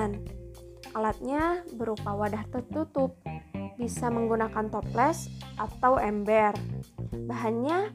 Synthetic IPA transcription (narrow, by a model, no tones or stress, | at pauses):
n | ʔalat̪̚ɲabəɾupawadaht̪ət̪ut̪ʊp̚bisaməŋɡunakant̪ɔplɛsʔat̪awɛmbɛrbaɦanɲa